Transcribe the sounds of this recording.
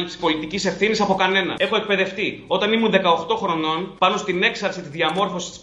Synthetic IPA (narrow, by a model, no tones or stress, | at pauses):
ipsi̥po̞lit̪icise̞fθinisɐpo̞kɐne̞nɐ̰e̞xo̞ek̚pe̞ðe̞ft̪io̞t̪ɐnimunðe̞kɐoxt̪o̞xɾo̞no̞npɐno̞st̪ine̞ksɐɾsit̪izðiɐmo̞ɾfo̞si̥st̪i̥s